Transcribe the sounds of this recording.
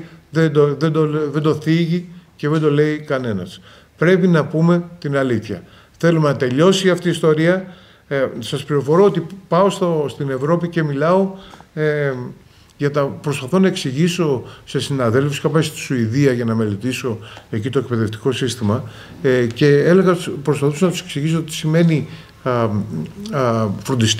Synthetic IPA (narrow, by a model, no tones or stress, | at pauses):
ðed̪oðed̪oðe̞nd̪o̞θiʝice̞ðe̞nd̪o̞le̞ikɐne̞nɐ̰s | pɾe̞pinɐpume̞t̪inɐliθçɐ | θe̞lumenɐt̪e̞ʎo̞siɐft̪iːst̪o̞ɾiɐ | sɐspɾiɾo̞fo̞ɾo̞ot̪ipɐost̪ost̪ine̞vɾo̞pice̞milɐo̞ | ʝɐt̪ɐpɾo̞spɐθo̞nɐeksiʝiso̞se̞sinɐðe̞lfuskɐpɐst̪i̥suiðiɐʝɐnɐme̞le̞t̪iso̞e̞cit̪o̞e̞kpe̞ðe̞ft̪i̥ko̞sist̪imɐ | ce̞ele̞ɣɐpɾospɐθusonɐt̪u̥se̞̥ksiʝisot̪i̥sime̞ni | fɾo̞nd̪is